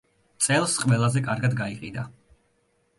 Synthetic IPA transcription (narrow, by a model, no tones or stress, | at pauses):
t̪sʼɛlˠsqʼwvɛlˠazɛkʼaɾɡad̪ɡaiqʼḭd̪a